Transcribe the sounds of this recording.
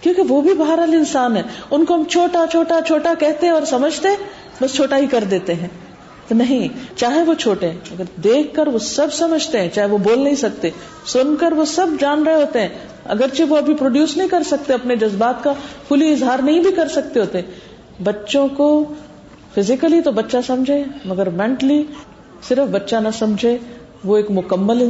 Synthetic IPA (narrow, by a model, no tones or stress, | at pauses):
kjõːkeʋobʱibaɦɾəlɪnsaːnɦɛːʊnkoɦɐmt͡ʃʰoːʈat͡ʃʰoːʈat͡ʃʰoːʈakɛɦt̪eɛ̃ɔːɾsɐməd͡ʒʱt̪eɛ̃ | bɐst͡ʃʰoːʈaɦikɐɾd̪eːt̪eɦɛ̃ː | t̪onɐɦĩt͡ʃaːɦeʋot͡ʃʰoːʈeɦɛ̃ɐɡəɾd̪eːkʰkɐɾʋosɐbʱsɐməd͡ʒʱt̪eɦɛ̃t͡ʃaːɦeʋoboːlnɐɦĩsɐk̚t̪e | sʊnkəɾʋosɐbd͡ʒaːnɾɐɦeɦoːt̪eɦɛ̃ | ɐ̰ɡəɾt͡ʃeʋoɐbʱipɾoːɖjuːsnɐɦĩkɐɾsɐk̚t̪eɐpned͡ʒɐzbaːt̪kakʰʊliɪzɦaːɾnɐɦĩbʱikɐɾsɐk̚t̪eɦoːt̪eɛ̃ | bɐtːʃõko | fʰɪzɪkəlit̪obɐtːʃasɐ̃md͡ʒʱẽːmɐɡəɾmɛ̃ɳʈəli | sɪɾəfbɐtːʃanɐsɐmd͡ʒʱẽ | ʋoeːkmʊkəmːəl